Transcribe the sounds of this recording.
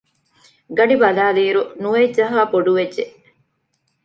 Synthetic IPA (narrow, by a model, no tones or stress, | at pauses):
ɡɐɖibɐlaːliːɾunuʋedd͡ʒɐɦaːpoɖuʋeʒe